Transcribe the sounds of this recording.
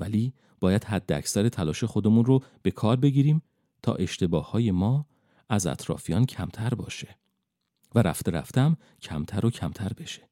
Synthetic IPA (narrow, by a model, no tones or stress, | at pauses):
væliː | b̥ɒːjæd̪̥hæd̪ːeæ̰csæɾet̪ʰælɒːʃe̞xo̞d̪e̞munrob̥e̞kʰɒːɾbe̞ɟiːɾiːm | t̪ʰɒ̰ːʔe̞ʃt̪e̞bɒːhːɒːje̞mɒː | æzæ̰t̪ʰɾɒ̰ːfijɒːncʰæmt̪ʰæɾbɒ̰ːʃe | væɾæ̰ft̪eɾæ̰ft̪æm | cʰæmt̪ʰæɾo̞cʰæmt̪ʰæɾbe̞ʃe̥